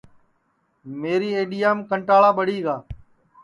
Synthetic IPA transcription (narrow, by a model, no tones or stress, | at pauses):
meːɾiːeːɗijaːmkəɳʈaːɭaːɓəɽiːɡaː